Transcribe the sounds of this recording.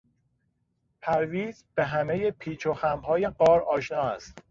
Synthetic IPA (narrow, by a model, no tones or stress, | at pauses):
pʰæɾviːzbeɦæme̞jepʰiːt͡ʃʰoxæmɦɒːje̞ɢɒːɾɒːʃnɒːæst̪